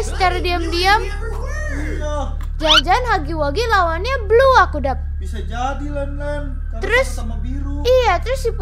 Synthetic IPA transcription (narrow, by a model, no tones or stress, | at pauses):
st̪ɛrdiamdiam | d͡ʒad͡ʒanɦaɡiwaɡilawanɲabluakudap̚ | isad͡ʒadilŋan | əɾʊs | iɾuijat̪əɾʊsdip